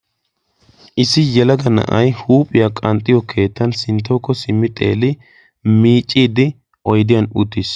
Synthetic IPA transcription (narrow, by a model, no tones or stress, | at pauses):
ʔɪsɪjɛlɐɡɐnɐ̰ʔɐjhuːpʼɪjakʼɐnt̪ʼːɪjɔkʰe̞ːt̪ːɐnsɪnt̪ːɐwkːɔsɪmːɪt̪ʼe̞̰ːlɪ | miːt͡ʃʼːiːd̪ɪ | ʔɔjd̪ɪjɐnʊt̪ːɪs